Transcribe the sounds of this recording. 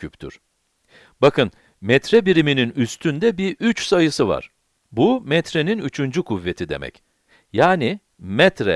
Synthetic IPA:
ypt̪ʰy̰ɾ̥ | bakʰɯn | mɛt̪ɾɛbiɾimininyst̪ʰynd̪ɛbiʔyt͡ʃsajɯsɯva̰ɾ̥ | bumɛt̪ɾe̞ninyt͡ʃʰynd͡ʒykʰuvːe̞t̪ʰid̪e̞̰mɛ̰c | jaːni | mɛt̪ɾɛ̰

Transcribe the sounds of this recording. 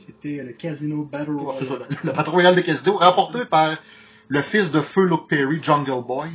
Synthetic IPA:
set̪ɛləkʲazinobatsesɔlləpat̪ʁujald̪əkʲazinoʁãpɔʁt̪epaʁ | ləfɪsd̪əfølʊk̚pɛʁid͡ʒɑ̃ŋɡəlbɔj

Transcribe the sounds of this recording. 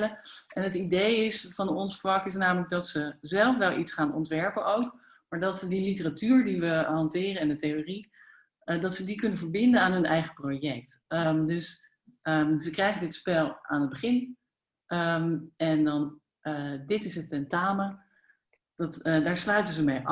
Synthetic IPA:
əʔɛnɦətidejɪsfɑnɔnsfɑkɪs̬naːmələɡ̚dɑtsəzɛlˠfʋɛlˠʔitsχaːnɔ̰ntʋɛɹpənowk | maːɹdɑtsədilitəratyːɹdiʋəɦɑntɪːrəɛndətejori | dɑtsədikɵnənvəɹbɪndənaːnɦɵnɛjχəprowjɛk̚tədɵs | əzəkrɛjχəndɪtspɛlˠa̰ːnɦəd̚bəχɪn | əmɛndɑn | dɪtɪsətɛntaːmə | d̥ɑtdaːɹslœɥtənzəmej

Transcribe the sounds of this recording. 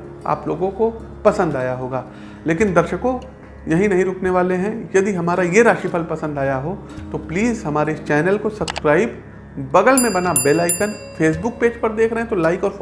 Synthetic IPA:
a̰ːploːɡõko | pɐsə̃nd̪aːjaɦoːɡaː | leːkɪnd̪ɐɾʃəkõ | jɐɦĩnɐɦĩɾʊkʰneʋaːleɦɛ̃jɐd̪iɦɐmaːɾajeɾaːʃipʰəlpɐsə̃nd̪aːjaɦo | t̪opliːzɦɐmaːɾeɪst͡ʃɛːnəlkosɐbskɾaːɪbː | ɐɡəlmẽbɐnabeːlaːɪkən | feːs̬bʊk̚peːd͡ʒpɐɾd̪eːkʰɾɐɦɛ̃t̪olaːɪkɔːɾ

